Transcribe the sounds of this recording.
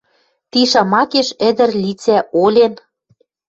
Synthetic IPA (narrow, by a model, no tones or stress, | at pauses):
t̪iʃɑmɑkeʃɘ̆d̪ɘ̆rlit͡sæʔolʲen